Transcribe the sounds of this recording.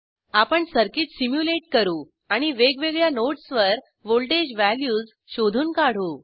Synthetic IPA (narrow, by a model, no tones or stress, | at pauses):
apəɳsəɾkiːʈ̪simjuleʈkəɾuː | aɽ̃iʋeɡʋeɡɭjanoʈsʋəɾ | ʋolʈed͡ʑʋæljuːd͡z | ɕod̪ʱuːnkaɽ̤uː